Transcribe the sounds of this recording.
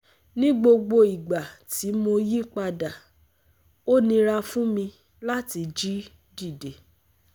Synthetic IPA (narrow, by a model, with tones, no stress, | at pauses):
nĩ˦ɡ͡bo˧ɡ͡bo˧i˨ɡ͡ba˨tʰi˨˦mo˧ji˦k͡pa˧da˨ | o˦nĩ˧ɾa˧fũ˦mĩ˧ | la˦ti˧d͡ʒi˦ | di˦˨de˨